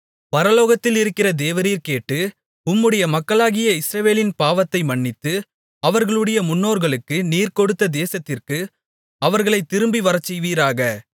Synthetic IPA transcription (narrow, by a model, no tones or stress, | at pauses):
pɐɾɐloːɣɐt̪ːɪlɪɾɯkːɪrɐd̪eːʋɐɾiːɾkeːʈːɯ | ʊmːɯɽɐjɐmɐkːɐɭaːɣɪjɐɪsɾɐʋeːlɪnpaːʋɐt̪ːɐɪmɐɳːɪt̪ːɯ | ɐʋɐɾɣɐɭɯɽɐjɐmʊnːoːɾɣɐɭɯkːɯniːɾkɔɽɯt̪ːɐd̪eːsɐt̪ːɪrkɯ | ɐʋɐɾɣɐɭɐɪt̪ːɪɾɯmbiʋɐɾɐt͡ʃːɛʋiːɾaːɣɐ